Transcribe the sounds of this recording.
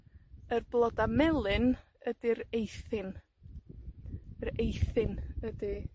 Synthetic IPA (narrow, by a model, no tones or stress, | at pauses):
ərblˠɔdamɛlˠɨn | ədiɾejθɪn | ɾejθɪnədi